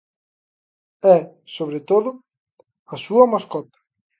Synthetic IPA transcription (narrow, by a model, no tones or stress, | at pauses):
ɛ | soβ̞ɾet̪oðʊ | ɐsuɐmaskɔt̪ɐ̥